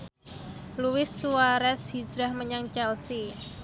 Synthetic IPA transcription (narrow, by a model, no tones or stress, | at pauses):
luɪsːuaɾɛsɦid͡ʒɾahməɲaŋt͡ʃɛlsi